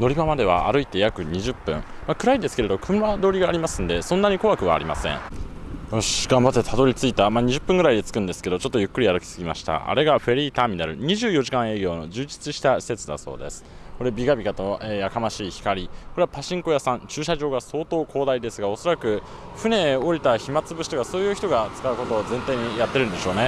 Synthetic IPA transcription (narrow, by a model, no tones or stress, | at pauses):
no̞ɾʲibamad̪e̞βaa̰ɾɯ̟it̪e̞jakɯ̟ɲ̟iʑɨpːɯ̟̃ɴmakɯ̟ɾaid̪e̞sɨ̥ke̞ɾe̞d̪o̞kʰɯ̟̃mːad̪o̞ːɾʲiɡaːɾʲimasɨ̃nd̪e̞sõ̞nːaɲ̟iko̞βakɯ̟βa̰ːɾʲima̰sẽ̞̰ŋ | oɕiɡ̥ãmbat̪ːe̞t̪ʰad̪o̞ɾʲit͡sɨit̪amaːɲ̟iʑɨpːɯ̃ŋɡɯ̟ɾaid̪et͡sɨ̥kɯ̟̃nd̪e̞sɨ̥ke̞d̪o̞t͡ɕo̞t̪ːo̞jɯ̟kːɯ̟ɾʲiaɾɯkʲi̥sɨɡʲimaɕi̥t̪a̰ʔa̰ɾe̞ɡaɸe̞ɾʲiːt̪aːmʲinaɾɯ̟ɲ̟iʑɨːjo̞ʑikãɰ̃e̞ːɡʲo̞ːno̞d͡ʑɨːd͡ʑi̥t͡sɨɕi̥t̪aɕi̥se̞t͡sɨd̪a̰so̞̰ːd̪e̞̰sɨ̥ | ko̞ɾebʲiɡabʲikat̪o̞eːjakamaɕiːçi̥kaɾʲiko̞ɾe̞apaɕĩŋko̞jasãɲt͡ɕɨːɕaʑo̞ːɡaso̞ːt̪o̞ːkʰo̞ːd̪aid̪e̞sɨɡao̞so̞ɾakɯ̟ | ɸɯ̟ne̞o̞ɾʲit̪açimat͡sɨbɯ̟ɕi̥t̪o̞kaso̞ːjɯçi̥t̪o̞ɡat͡sɨ̥kaɯ̟ko̞t̪o̞ːzẽ̞nt̪aiɲ̟ijat̪ːe̞ɾɯ̟nd̪e̞ɕo̞ːne̞